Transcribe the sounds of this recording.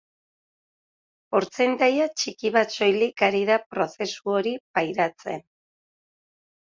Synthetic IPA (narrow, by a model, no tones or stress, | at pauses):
o̞ɾt͡send̪ajat͡ʃikiβ̞at̪so̞jlikaɾiðapɾo̞se̞suo̞ɾipajɾat͡se̞̰n